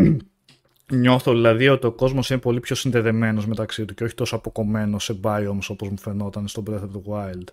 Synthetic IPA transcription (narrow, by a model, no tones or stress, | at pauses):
ɲo̞θoðilɐðio̞t̪io̞ko̞zmo̞sinepo̞lipço̞sinðe̞ðe̞me̞no̞zme̞t̪ɐksit̪uce̞oçi̥t̪o̞soɐpo̞ko̞me̞nose̞bɐio̞moso̞po̞zmufe̞no̞t̪ɐnest̪obɾeθet̪uɣwɐjld̪̥